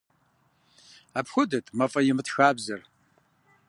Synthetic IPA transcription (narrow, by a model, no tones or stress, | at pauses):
apxʷʊdɨtʼmɐfʼɐjɪmɨtxaːbzɨr